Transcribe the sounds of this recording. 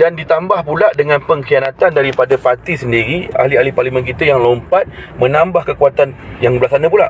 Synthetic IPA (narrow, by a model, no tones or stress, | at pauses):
dandit̪ambahpulaʔdəŋãnpəŋkijanat̪andaɾipadapat̪isəndiɾia̰hlialiparlimə̃nk̬it̪ajaŋlompat̪̚mə̃nambahkəkuat̪anjaŋbəlahsanə̃pula̰ʔ